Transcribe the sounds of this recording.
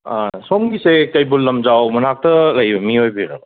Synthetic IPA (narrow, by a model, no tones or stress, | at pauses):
a̰nasomɡisekɐjbulːɐmzawmɐnak̚tɐlɐɦibɐmiɦojbiɾa̰b